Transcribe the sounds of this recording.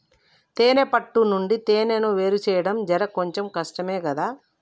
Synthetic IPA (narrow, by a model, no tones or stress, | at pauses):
t̪eːnepɐʈːunuɳɖit̪eːnenuʋeːɾut͡ʃɛːjɐɽɐmd͡ʒɐɾɐkoɲt͡ʃemkɐʂʈɐme̞ːkɐd̪aː